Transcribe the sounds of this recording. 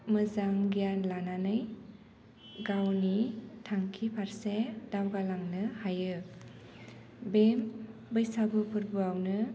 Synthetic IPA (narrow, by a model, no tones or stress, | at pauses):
mɯzaŋɡijanlananɯj | ɡawnitʰaŋkʰipʰaɾsedawɡalaŋnɯhajɯ | bembɯjsabupʰɯɾbuawnɯ